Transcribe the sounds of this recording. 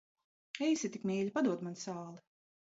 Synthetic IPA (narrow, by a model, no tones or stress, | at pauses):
ɛjsʲit̪ikmʲiːlʲipad̪uɔt̪mansaːlˠi